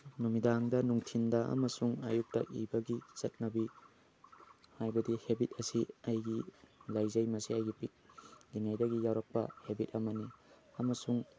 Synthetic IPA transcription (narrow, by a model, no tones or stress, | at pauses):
numidaŋdɐnuŋtʰindɐʔɐ̰mɐsuŋa̰juk̚tɐ̰ʔḭbɐɡit͡ʃɐt̚nɐbi | hajbɐdihebit̚ɐsiɐjɡilajzɐjmɐsiɐjɡipit̚liŋajdɐɡijawɾɐk̚pɐ̰hebitɐmɐni | ɐmɐsuŋ